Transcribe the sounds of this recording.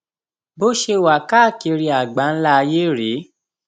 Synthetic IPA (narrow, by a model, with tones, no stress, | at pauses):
bo˦ʃe˧wa˨ka˦˨ke˧ɾi˧a˨ɡ͡ba˨˦n̩˦la˦˧je˦ɾe˨˦